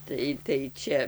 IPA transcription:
ˈtɐɪ tɐɪ ˈt͡ʃʲɛ

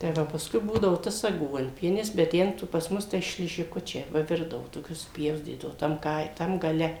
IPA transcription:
tɐɪ ˈʋɐ pɐsˈkʊɪ ˈbuːdɐʋoː ˈtɐs ɐˈɡuɔnʲpʲiɛnʲɪs bʲɛt ˈtʲɛn tʊ pɐs ˈmʊs tɐɪ ʃʲlʲɪʒʲɪˈkʊt͡ʃʲɛɪ ˈʋɐ ˈʋʲɪrdɐʋʊ toːˈkʲʊs sʊpʲˈjɛʊsʲtʲiːdɐʋʊ tɐm ˈkɐɪ tɐm ɡɐˈlʲɛ

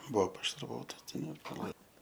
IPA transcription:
ˈbuɔ pɐʃɐrˈʋoːtɐs ˈtʲɛn ɪr pɐˈlˠɐɪ

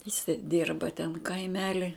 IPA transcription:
jɪˈsɐɪ ˈdʲiːrbɐ tʲɛn kɐɪˈmʲæːlʲɪ

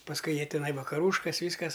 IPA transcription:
pɐsˈkʊɪ ˈjiɛ ˈtʲɪnɐɪ ʋɐkɐˈruːʃkɐs ˈʋʲiːskɐs

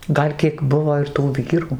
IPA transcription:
ˈɡɐlʲ kʲiɛk ˈbʊʋoː ɪr tuː ˈʋʲiːruː

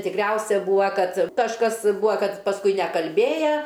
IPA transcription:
tʲɪkˈrʲɛʊsʲɛ ˈbuːɐ ˈkɐt kɐʃˈkɐs ˈbʊɐ ˈkɐt pɐsˈkʊɪ nʲɛkɐlʲˈbʲeːjɛ

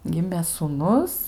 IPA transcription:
ˈɡʲɪmʲeː suːˈnʊs

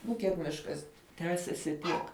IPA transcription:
ˈnʊ kʲiɛk ˈmʲɪʃkɐs ˈtʲæːsʲɛsʲɪ ˈtʲiɛk

